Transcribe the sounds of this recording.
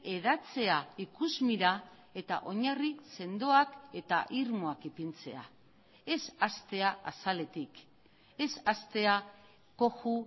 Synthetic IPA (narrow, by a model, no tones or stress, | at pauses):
e̞ðat͡se̞aikuzmiɾa | e̞t̪a̰ʔo̞ɲarise̞nd̪o̞ake̞t̪a̰ʔiɾmoakipint͡se̞̰a̰ | e̞sast̪e̞aasale̞t̪ik | e̞sast̪e̞a | ko̞xu